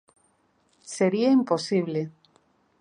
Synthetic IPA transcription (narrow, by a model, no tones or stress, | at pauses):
seɾiaimposiβle